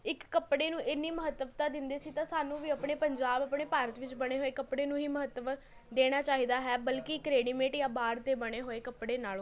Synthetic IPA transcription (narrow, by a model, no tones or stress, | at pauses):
ɪkːəpɽeːnũːʔɪnːiːməɦət̪ːəbt̪ãːd̪ɪnd̪eːsiːt̪ãːsaːnũːʋiːəpɳeːpəɲd͡ʒaːbəpɳeːpaːɾət̪ʋɪt͡ʃbəɽ̃eːɦoːeːkəpɽeːnũːɦiːməɦət̪ːəʋ | d̪eːɽ̃aːt͡ʃaːiːd̪aːɦɛːbəlkikɾeːɖiːmẽːʈjãːbaːɾt̪eːbəɽ̃eːɦoːeːkəpɽeːnaːloː